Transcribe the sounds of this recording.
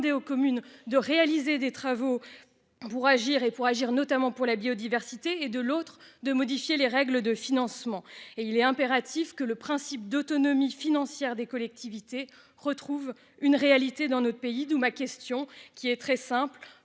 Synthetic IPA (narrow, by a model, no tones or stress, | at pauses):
d̪eokɔmynd̪əʁealized̪et̪χavo | puʁaʒiʁepuʁaʒiʁnɔt̪amɑ̃puʁlabiod̪ivɛʁsit̪eːd̪əlot̪χd̪əmɔd̪ifjeleʁɛɡləd̪əfinɑ̃smɑ̃eilɛɛ̃peʁat̪ʰifkələpχɛ̃sipd̪ot̪ɔnɔmifinɑ̃sjɛʁd̪ekɔlɛk̚t̪ʰivit̪e | ʁət̪χuv | ynʁealit̪ed̪ɑ̃nɔt̪χpeid̪umakʲɛst̪jɔ̃kʲiɛt̪χɛsɛ̃pl